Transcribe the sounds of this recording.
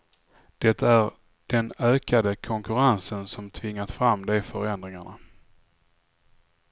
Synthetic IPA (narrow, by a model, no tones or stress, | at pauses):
d̪̥ɛt̪ːæɾ | d̪̥ɛnøːkad̪əkʰɔŋkɵɾansənsɔmt̪ʰvɪŋːat̪fɾamːd̪ɛjfœɾɛnd̪ɾɪŋaɳa̰